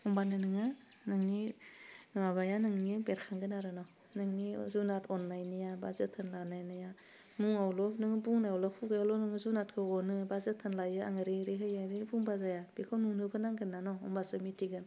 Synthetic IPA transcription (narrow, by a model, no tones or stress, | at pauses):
ɔmbanɯnɯŋɯ | nɯŋni | maβajanɯŋnibeɾkʰaŋɡɯnaɾɯnɔ | nɯŋnizunatʰɔnːajnɯjabazɯtʰɯnlanajnɯja | muŋawlɔnɯŋbuŋnaawlɔpʰuɡajalɔnɯŋɯzunat̚kʰɯɔnɯbazɯtʰɯnlajɯaŋɯɾiɾiɦɯjaɾibuŋbazajab̥ikʰɔwnunɯbɯnaŋɡɯnːanɔɔmbasɯmitʰiɡɯn